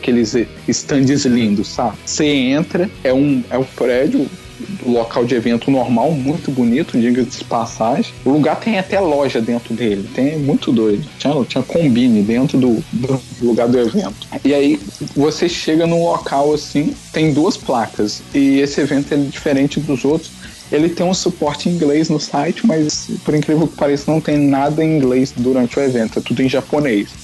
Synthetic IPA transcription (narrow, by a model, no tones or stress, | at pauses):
kelɪz | ɪst̪ɐ̃d͡ʒɪzlĩnd̪ʊssabɪseẽnt̪ɾɐɛũɛʊpɾɛd͡ʒʊ | ʊlokawd͡ʒɪevẽnt̪ʊnoɾmawmũj̃t̪ʊbunit̪ʊd͡ʒiɡɐd͡ʒɪspasaʒẽʊluɡaɾt̪ẽj̃at̪ɛlɔʒɐd̪ẽnt̪ɾʊd̪elɪt̪ẽj̃mũj̃t̪ʊd̪ojd͡ʒ̪ʊt͡ʃĩɲɐt͡ʃĩɲɐkõbĩnɪd̪ẽnt̪ɾʊd̪ʊd̪ʊluɡaɾd̪ʊevẽnt̪ʊ̥ɪaivoseʃeɡɐnʊlokʰawasĩt̪ẽj̃d̪uɐsplakɐsɪesɪevẽnt̪ʊɛɛd͡ʒifeɾẽt͡ʃɪd̪ʊzowt̪ɾʊs | elɪt̪ẽj̃ũsupɔɾt͡ʃɪĩɡleznʊsajt͡ʃɪmɐzpʊɾĩŋkɾivewkɪ̥paɾɛsɪɪnɐ̃w̃t̪ẽj̃nad̪ɐẽĩɡlesd̪uɾɐ̃nt͡ʃɪʊevẽnt̪ʊɛt̪ud̪ʊẽʒaponejs